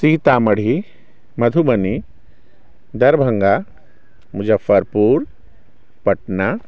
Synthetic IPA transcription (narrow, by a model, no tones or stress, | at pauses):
siːt̪aːmɐɽ̤i | mɐd̪ʱubɐni | d̪ɐɾbʱɐ̃ŋɡa | mʊd͡ʒɐfːəɾpuːɾ | pɐʈna